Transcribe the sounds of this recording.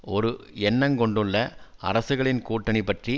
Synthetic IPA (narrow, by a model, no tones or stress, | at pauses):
ɔɾɯɛnːɐŋkɔɳɖɯɭːɐʔɐ̰ɾɐsɯɣɐɭɪnkuːʈːɐɳɪpːɐʈri